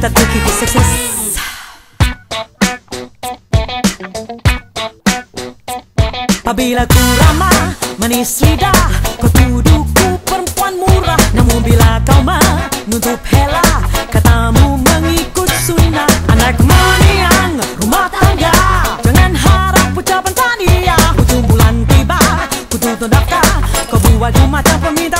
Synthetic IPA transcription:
t̪at̪ukit̪usəsis | abilakuɾamamənislidahkawt̪uduk̚upəɾəmpuanmuɾahnamubilakawmənut̪up̚helakat̪amuməŋikʊt̪̚suinaanakməniaŋɾumaht̪aŋɡad͡ʒaŋanɦaɾap̚pːut͡ʃapant̪adiakut̪ubulant̪ibakut̪ut̪ɔndap̚kakawbuwad͡ʒumat͡ʃaŋpəmint̪a

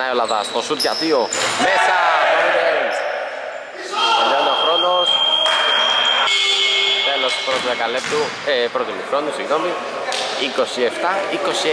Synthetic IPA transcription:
ɐiolɐðɐst̪osut̪ʝɐðiomesɐoiɾe | elonoxɾo̞no̞s | t̪elo̞spɾot̪uðekɐlept̪u | epɾot̪imuxɾo̞nisiɣno̞mi | iko̞sie̞ft̪ɐiko̞si

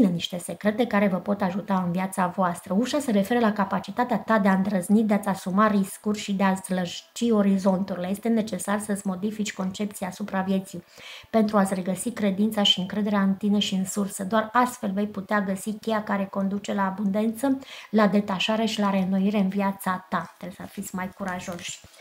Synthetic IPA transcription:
neniʃt̪e̞se̞kɾe̞t̪e̞kaɾe̞vəpo̞t̪aʒut̪aɨnviat̪savoast̪ɾəuʃaseɾe̞fe̞ɾəlakapat͡ʃit̪at̪eat̪ad̪eaɨnd̪ɾəznit̪̚d̪eat̪sʲasumariskurʲʃid̪easləʒt͡ʃio̞ɾizo̞nt̪uɾileje̞st̪e̞ne̞t͡ʃe̞sarsət̪sʲmo̞d̪ifit͡ʃʲko̞nt͡ʃe̞p̚t̪sijaːsupɾavje̞t̪sijpe̞nt̪ɾuat̪sʲre̞ɡəsikɾe̞d̪int̪saʃiɨŋkɾe̞d̪e̞ɾeaɨnt̪ineʃiɨnsursəd̪oarast̪fe̞lve̞jput̪eaɡəsikʲejakaɾe̞ko̞nd̪ut͡ʃe̞laːbund̪e̞nt̪səlad̪e̞t̪aʃaɾe̞ʃilaɾe̞noiɾe̞ɨnviat̪sat̪at̪esafit̪sʲmajkuɾaʒo̞ʃʲ

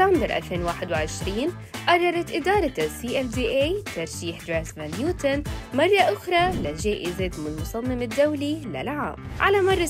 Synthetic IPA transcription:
ambɪɾʔa̰lfeːnwaːħɪd̪wɪʕɪʃɾiːn | ʔɑrˤːɑɾˤɑt̪ʔɪd̪ɑːɾˤɑsiːʔɛfd̪iːʔejt̪ɑɾˤʃiːħd̪ɾaːsvanjuːt̪anmɑrˤːɑʔʊxɾˤɑlɪlʒaːʔɪzɪt̪mɪlmʊsˤɑmːɪmɪd̪ːawlilɪ̰lʕa̰ːmʕa̰lamɑrˤːɑ

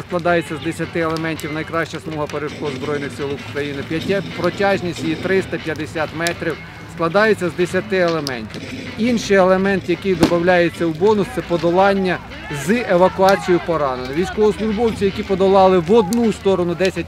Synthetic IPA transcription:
sklˠɐd̪ɑjet͡sʲːɐzd̪esʲɐt̪ɪelˠemɛnʲtʲiwnɐjkɾɑʃt͡ʃɐsmɔɦɐpeɾɪʃkɔzbɾɔjnɪxsɪlˠwʊkɾɐjinɪpʲɐtʲpɾɔtʲɑʒnʲisʲtʲit̪ɾɪst̪ɐpjɐd̪esʲat̪mɛt̪ɾʲiw | sklˠɐd̪ɑjʊt͡sʲːɐzd̪esʲjɐt̪ɪelˠemɛnʲtʲiwinʃɪjelˠemɛnt̪jɐkɪjd̪ɔbɐwlʲajet͡sʲːɐwbɔnʊt̪sɛpɔd̪ɔlˠɑnʲːɐ | zɨeʋɐkʊɑt͡sʲijʊpɔɾɑnenɪʋʲijsʲkɔɦɔslˠʊʒbɔwt͡sʲijɐkʲipɔd̪ɔlˠɑlˠɪʋɔd̪nust̪ɔɾɔnʊd̪ɛsʲɐt̚ʲ

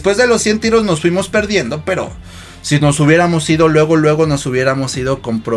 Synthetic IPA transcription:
spwe̞zðe̞lo̞sːje̞nt̪iɾo̞znosfwimo̞spe̞ɾðje̞nd̪o̞pe̞ɾo̰ | sino̞suβje̞ɾamo̞siðo̞lwe̞ɣ̞o̞lwe̞ɣo̞no̞suβje̞ɾamo̞siðo̞ko̞mpɾo

